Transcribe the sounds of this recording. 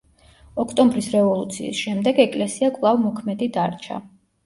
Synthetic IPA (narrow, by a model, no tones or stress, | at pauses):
ɔkʰt̪ʼɔmbɾisɾɛvɔlˠut̪sʰḭːsʃɛmd̪ɛɡɛkʼlɛsiakʼlˠavmɔkʰmɛd̪id̪aɾt͡ʃʰa̰